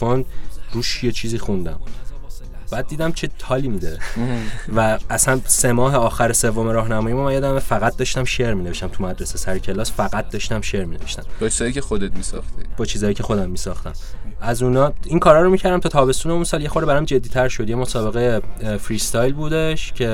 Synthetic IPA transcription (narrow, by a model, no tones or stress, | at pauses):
fond̪ɾuːʃje̞t͡ʃʰiːziːxund̪æm | b̥æːd̪̚ːiːd̪æmt͡ʃʰe̞t̪ʰɒːlimid̪e | væːsænse̞mɒːɦeɒːxæɾese̞vːo̞meɾɒːhnæmɒːjimumænjɒd̪æmefæɣæt̪̚d̪ɒʃt̪æmʃeɾmineveʃt̪æmt̪ʰumæd̪ɾesesæɾecʰe̞lɒːsfæɣæt̪̚d̪ɒʃt̪æmʃe̞ɾmineveʃt̪æmbɒt͡ʃʰizɒjikexod̪et̪̚misɒ̰χt̪ib̥ɒːt͡ʃʰiːzɒːjicʰe̞xo̞d̪æmːiːsɒːxt̪æ̰mæzunɒːiŋkʰɒːɾɒːɾomicʰæɾd̪æmt̪ʰɒːt̪ʰɒːbe̞st̪uːneunsɒːlje̞xoɾeæɾæmd͡ʒe̞d̪ːiːt̪ʰæɾʃo̞d̪jemo̞sɒːbe̞ɣejefɾiːst̪ɒjlbuːd̪e̞ʃcʰe̞